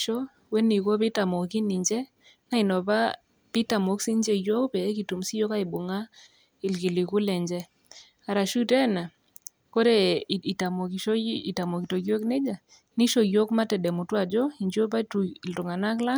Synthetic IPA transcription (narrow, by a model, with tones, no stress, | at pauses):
ʃɔ˦ | we˦ni˨ko˦bi˦ta˨mo˨ki˦ni˨ɲd͡ʒɛ˦ | na˦i˨nɔ˨ba˦ | pi˦ta˨mo˨˦ksi˦nd͡ʒe˦jo˦kpɛ˨˦ki˨tu˨msi˦jo˦ka˦i˨bo˨ŋa˦ | i˨lki˨li˨ku˦lɛ˨ɲd͡ʒɛ˦ | a˨ɾa˨ʃu˦tɛ˦na˨ | ko˦ɾe˦˨i˨ta˨mo˨ki˨ʃo˦i˨ta˨mo˨ki˨to˨ɡjo˦kne˦d͡ʒa˨ | ni˦ʃo˦jo˦kma˦tɛ˨dɛ˨mu˨twa˨d͡ʒɔ˦i˨ɲd͡ʒo˦ba˦tu˨i˨ltʊ˨ŋa˨na˦kla˦